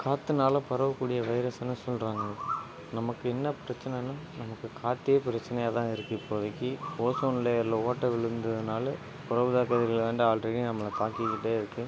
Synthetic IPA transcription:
kʰaːt̪ːɯnaːlɐ̃pɐɾɐʋɐkːuːɽɪjɐʋɐɪɾɐsɐnːɯsɔlɾaːŋɡɐ | nɐmɐkːɯɛnːɐpɪɾɐt͡ʃːɐnɛnːaːnɐmɐkːɯkaːt̪ːɪjepɪɾɐt͡ʃːɐnɐjaːt̪ãːɪɾɯkːɯɪpːoːðɐkːioːsoːnɪleɐɾlːɐoːʈːɐʋɪɭɯnd̪ɐðɯnaːlɐ | pʊɾɐʋɯðaːkɐðɪɣɐɭʋeːɳɖɯaːlɖɾeɽinɐmːɐɭɐt̪aːkɪkːɪʈːeːɪɾɯkːɯ

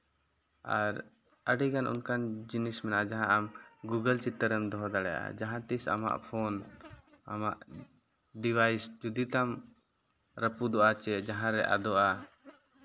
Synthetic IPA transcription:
a̰ɾ | əɖiɡanʔṵnkand͡ʒinismɛnaʔad͡ʒaɦãʔamɡuɡəlt͡ʃit̪ːəɾəmd̪ɔɦɔd̪aɽɛjaʔa̰d͡ʒaɦãt̪isa̰ma̰ʔpʰɔn | amaʔ | ɖiwajsd͡ʒud̪it̪am | ɾəpud̪ɔʔat͡ʃɛd͡ʒaɦãɾɛʔa̰d̪ɔʔa

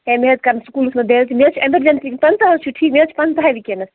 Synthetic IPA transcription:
ɦẽmet̪̚kaɾnsukulsmeb̪elt̪ʰimet͡ʃʰieməɾd͡ʒensipɐnt̪aɦət͡ʃʰiʈʰikmet͡ʃʰi̥pɐnt̪ɦaʋikenəs

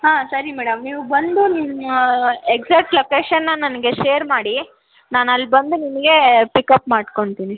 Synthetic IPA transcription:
ɦaːsɐɾimɛːɽɐmniːʋubɐnd̪unimueɡzaːk̚ʈlokeːʃɐnːɐnɐnɐɡe̞ʃeːɾmaːɽi | naːnɐlːbɐnd̪uninɐɡe̞pikɐpmaːɖko̞ɳt̪iːni

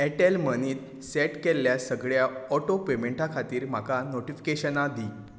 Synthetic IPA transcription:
ɛʈelməniːt̪ | sɛʈkelːjasəɡɭjaɔʈopemẽɳʈakʰat̪iːɾmakanoʈifi̥keɕənad̪i

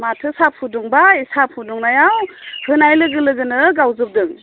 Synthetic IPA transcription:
matʰɯsapʰuduŋbaisapʰuduŋnajawhɯnajlɯɡɯlɯɡɯnɯɡawzɯp̚dɯŋ

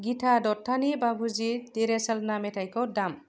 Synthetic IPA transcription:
ɡiʈʰadɔtʰːanibabʱud͡ʒit̪eɾesəlnametʰajkodam

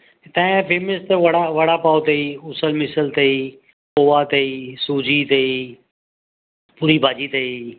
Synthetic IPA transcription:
t̪ãfʰeːməst̪əʋɐɽaʋɐɽapaːot̪ɐiːʊsəlmɪsəlt̪ɐiː | koːʋat̪ɐiːsuːd͡ʒiːt̪ɐiː | puɾiːbʱaːd͡ʒiːt̪ɐiː

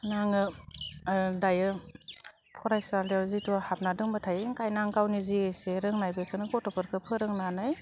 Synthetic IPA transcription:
naŋɯ | dajɯ | pʰɔɾajsaɾliaɾzitʰɔhap̚nadɯŋbɯtʰajŋkajnaŋɡawniziɡɯjseɾɯŋnajbekʰɯnɯɡɔtɔpɯɾkʰɯpʰɯɾɯŋnanɯj

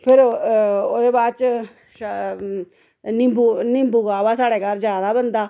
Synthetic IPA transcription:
pʰɪɾod̪eːbaːd̪t͡ʃ | nɪbunɪ̃mbuɡaːʋaːsaːɽeːkaɾd͡ʒjaːd̪aːbənd̪aː

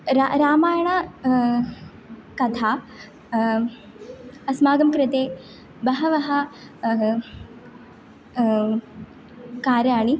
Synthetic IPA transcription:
ɾaɾaːmaːjɐɳɐ | kɐt̪ʰaː | ɐsmaːɡɐmkɾɪt̪eː | bɐɦɐʋɐɦɐ̆ | kaːɾjaːɳi

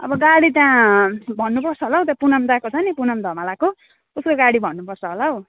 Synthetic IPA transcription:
ʌ̰bʌɡaɽit̪jãbʱʌnːupʌrt͡sʰʌɦolawt̪apunʌmd̪akot͡sʰʌjnipunʌmd̪ʱʌmalako | uskoɡaɽibʱʌnːupʌrt͡sʰʌɦolaɦo

